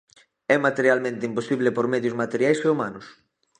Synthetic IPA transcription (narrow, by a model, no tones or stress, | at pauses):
ɛmat̪eɾjalmẽnt̪eimposiβlepoɾmɛðjʊzmat̪eɾjajseumanʊs